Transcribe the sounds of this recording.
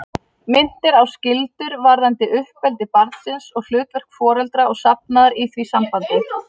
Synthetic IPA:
mɪn̥t̪ɪɾawscɪlt̪ʏɾvaɾðant̪ɪʔʏhpɛlt̪ɪpaɾðsɪnsɔɣl̥ʏːt̪vɛr̥kfɔːɾɛlt̪ɾaɔɣsap̚naðaɾiθvisampant̪ɪ

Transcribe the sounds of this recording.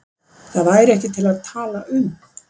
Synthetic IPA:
θaðvaːjɾɛhcɪt̪ʰɪlaðt̪ʰaːlaʔʏm

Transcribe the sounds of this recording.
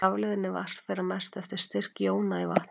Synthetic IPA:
avlɪðɪnːɪva̰r̥t̪fɛːɾaɾmɛ̥st̪ɛft̪ɪɾ̥st̪ɪr̥kjoːwnaivaht̪

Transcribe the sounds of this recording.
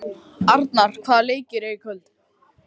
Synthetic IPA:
aɾt̪naɾ̥kʰvaːðleːjcɪɾeikʰœlt̪

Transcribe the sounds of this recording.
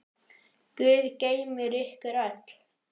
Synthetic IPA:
kʏːðceːjmɪɾʏhkʏɾat̪l̥

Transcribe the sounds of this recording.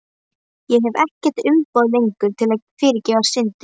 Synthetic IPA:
jɛɦɛvɛhcɛ̥t̪ʏmpaːðlejŋkʏɾ̥t̪ʰɪlafɪːɾɪcɛːvasɪnt̪ɪ

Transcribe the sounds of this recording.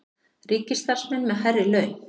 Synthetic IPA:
riːcɪst̪aɾ̥smɛnːmɛðɦajrɪlœɥn

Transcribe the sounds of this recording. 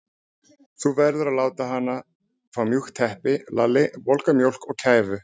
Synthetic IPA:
θuvɛɾðʏɾaðlaːwt̪aɦanːa | fɾawmjuxt̪ʰɛhpɪlalɪvɔlkamjowl̥kɔɣcʰaːjvʏ

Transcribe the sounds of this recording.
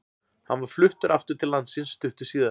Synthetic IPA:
hanvaɾ̥flʏht̪ʏɾʔaft̪ʏɾ̥t̪ʰɪlːant̪sɪnsːt̪ʏht̪ʏ̥siːða

